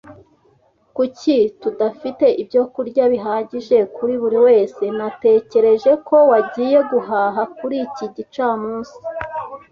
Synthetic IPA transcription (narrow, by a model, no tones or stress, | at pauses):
kucitudafite̞ʔibjo̞kuɾɟaβiɦaːɟiʒe̞kuɾiβuɾiwe̞ːse̞nate̞ːce̞ɾe̞ʒe̞ko̞waɟiːje̞ɡuɦaːɦakuɾiciɟit͡ʃaːmuːsi̥